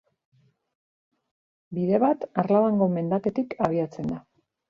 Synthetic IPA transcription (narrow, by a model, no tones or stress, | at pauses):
biðe̞βat̪aɾlaβaŋɡo̞me̞nd̪ake̞t̪ikaβ̞iat͡se̞nd̪a